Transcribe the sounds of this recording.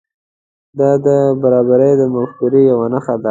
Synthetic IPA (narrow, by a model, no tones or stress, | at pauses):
d̪ɑd̪əbaɾɑbaɾəjd̪əmafkuɾijawanaxad̪a